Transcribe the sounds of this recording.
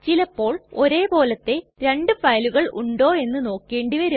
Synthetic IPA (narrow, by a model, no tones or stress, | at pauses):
t͡ɕilɐpːo̞ːɭo̞ɾe̞ːbo̞ːlɐt̪ːe̞ɾe̞ɳɖɨfɐjluɣɐɭuɳɖo̞ːe̞nːɨno̞ːkːe̞ːɳɖiʋɐɾu